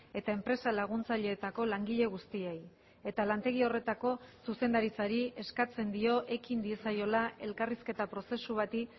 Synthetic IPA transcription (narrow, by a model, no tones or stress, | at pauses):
e̞t̪ae̞mpɾe̞salaɣ̞unt͡saʎe̞ːt̪ako̞laŋɡiʎe̞ɣ̞ust̪iej | e̞t̪alant̪e̞ɣ̞io̞re̞t̪ako̞suse̞nd̪aɾit͡saɾie̞skat͡se̞nd̪io̞ʔe̞kind̪iesajo̞lae̞lkariske̞t̪apɾo̞se̞suβat̪i